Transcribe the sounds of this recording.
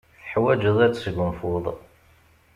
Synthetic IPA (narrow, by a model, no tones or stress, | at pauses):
θħwæd͡ʒəðˤæt͡sːsəɡənfʊðˤ